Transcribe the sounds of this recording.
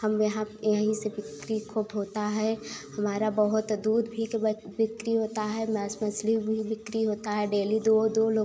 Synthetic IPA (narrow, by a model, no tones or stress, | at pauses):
hɐmjɐɦãjɐɦĩseʋɪkɾikʰuːbɦoːt̪aɦɛhɐmaːɾabəɦʊt̪d̪uːd̪bʱikeʋɪkɾiɦoːt̪aɦɛmɛːsməslibʱiʋɪkɾiɦoːt̪aɦɛɖeːlid̪od̪oloː